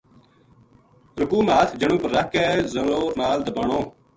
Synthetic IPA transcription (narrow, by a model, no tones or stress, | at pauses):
ɾʊkuːmaːt̪ʰd͡ʒəɳ̃ũːpəɾːəkʰːɛːzəloːnaːld̪əbaːɳõː